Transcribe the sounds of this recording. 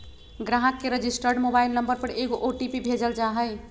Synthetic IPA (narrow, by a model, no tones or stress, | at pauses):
ɡɾaɦəkːeɾəd͡ʒisʈəɾɽmobailnəmbəɾpəɾeɡoʔoʈipibʱed͡ʒəld͡ʒaɦəɪ